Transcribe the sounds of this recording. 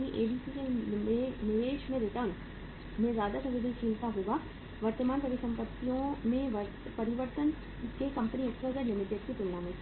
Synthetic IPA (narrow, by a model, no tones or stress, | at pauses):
niʔeːbiːsikemẽnɪʋeːʃmẽɾɪʈəɾn | mẽzjaːd̪asɐ̃mʋɪd̪ə̃nkʰiːlt̪aɦoːɡaː | ʋɐɾt̪əmaːnpɾɐʋɪsə̃mpət̪ːijõmẽʋəɾ | pɐɾɪʋəɾt̪ən | kekɐ̃mpəniɪksʋəzəɾlɪmɪʈeːɖ̚kit̪ʊlːãːmẽ